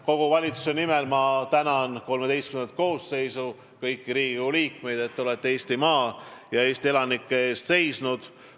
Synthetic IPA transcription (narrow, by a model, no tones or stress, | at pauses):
ko̞ɡ̥uvɑlʲit̪su̥se̞nimelmɑt̪ænɑnko̞lme̞d̪e̞jst̪kymnt̪ko̞ːsːe̞jsu | kɤjkːiɾiːɡiuliːkme̞jd̪e̞t̪ːeo̞le̞t̪ːeeːsʲt̪imɑːjɑe̞ːst̪ie̞lɑnikːee̞ːst̪se̞jsnud̪̥